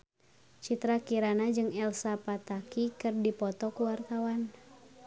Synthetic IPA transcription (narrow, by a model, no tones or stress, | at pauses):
t͡ʃit̪ɾakiɾanad͡ʒɨŋɛlsapat̪akikɨrdipɔt̪ɔkuwart̪awan